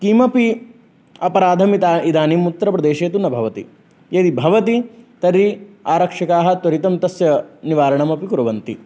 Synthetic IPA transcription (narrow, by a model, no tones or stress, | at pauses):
k̪iːmɐpi | ɐpɐɾaːd̪ʱɐmit̪aid̪aːniːmut̪ːɾɐpɾɐd̪eːʃeːt̪unɐbʱɐʋɐt̪ḭ | jɐd̪ibʱɐʋɐt̪it̪ɐɾiaːɾɐkʂɐkaːɦɐ̆t̪ʋɐɾit̪ɐmt̪ɐsjɐniʋaːɾɐɳɐmɐpikuɾɐʋɐnt̪i